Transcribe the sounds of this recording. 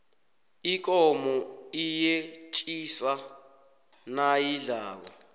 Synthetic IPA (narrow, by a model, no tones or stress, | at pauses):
ik̬ʼɔmɔijet͡ʃʼisa | najiɮaːɓa̰